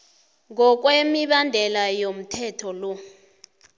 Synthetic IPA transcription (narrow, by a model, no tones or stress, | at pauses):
ŋɔk̬wemiɓandʱɛlajom̩tʰɛtʰɔlɔ